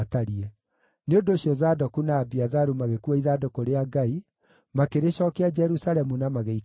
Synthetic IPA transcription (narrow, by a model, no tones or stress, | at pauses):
taɾiɛ | neondoːɕiɔzaːdɔkunaːbiaðaɾumaɣekuaiðaːdɔkoɾeaɡai | makeɾeɕɔkɛad͡ʒɛɾusaɾɛmunamaɣei